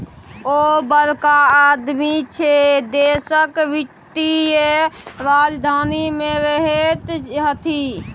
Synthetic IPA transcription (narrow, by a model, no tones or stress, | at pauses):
oːbəɾkaaːd̪mit͡ʃʰed̪eːsəkʋɪkt̪ijeɾaːd͡ʒd̪ʱaːnimẽɾeɦet̪ɦət̪ʰi